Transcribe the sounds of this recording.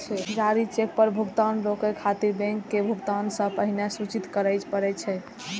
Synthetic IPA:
d͡ʒaɾit͡ʃek̚pəɾbʱuɡt̪anɾokɛkʰat̪iɾbɛ̃ŋkːebʱuɡt̪ansə̃pəɦinɛsut͡ʃit̪kəɾəjt͡ʃpəɾɛt͡ʃʰɛ

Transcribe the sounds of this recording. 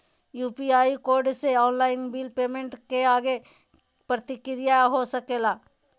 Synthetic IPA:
juːpiaːikoːɾɖseɔːnlaːɪnbiːlpeːmẽɳʈkeaːɡe | pɾət̪ɪkɾɪjaɦosɐkeːlaː

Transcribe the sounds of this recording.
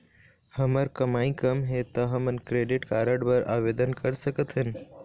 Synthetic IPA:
həməɾkəmaːĩkəmɦet̪ɐɦɐmənkɾeːɖɪʈkaːɾəɽbəɾʔa̰ːʋeːd̪ənkəɾsəkət̪ɦɪn

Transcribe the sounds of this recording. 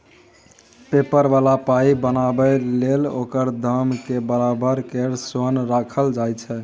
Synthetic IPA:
pepəɾbalapaibənabɛlelo̰kəɾd̪ʱəmkebəɾabəɾkeɾsonɾakʰəld͡ʒajt͡ʃʰɛ

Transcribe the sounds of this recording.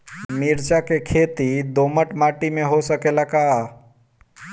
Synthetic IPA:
miɾt͡ʃakekʰeːt̪id̪oːməʈmaːʈimẽɦosəkelakaa

